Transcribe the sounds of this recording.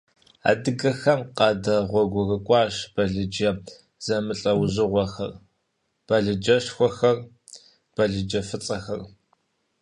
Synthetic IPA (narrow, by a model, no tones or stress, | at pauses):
a̰ːdɨɡɐxɐmqɑːdɐʁʷɔɡʷʊrɨkʷʼɑːʃb̥ɐɮɨd͡ʒɐ | z̥ɐmɨɬʼɐwzɨʁʷɔxɐr | b̥ɐɮɨd͡ʒɐʂxʷɔxɐr | b̥ɐɮɨd͡ʒɐfɨt͡sʼɐxɐr